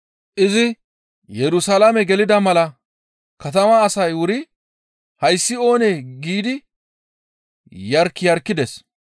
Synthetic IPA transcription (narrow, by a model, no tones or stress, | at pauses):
ʔɪzɪ | jɛɾʊsɐlamɛɡɛlɪd̪ɐmɐlɐ | kɐt̪ɐmɐːsɐjwʊɾɪ | hɐjsːɪo̞ːneːɡiːd̪ɪ | jɐɾkːɪjɐɾkːɪd̪ɛs